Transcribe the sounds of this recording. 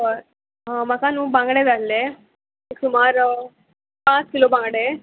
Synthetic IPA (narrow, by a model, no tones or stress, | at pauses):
mɐkanũːbãŋɡɽed̪alːe | iksumaːɾ | pãːt͡skilobãŋɡɽe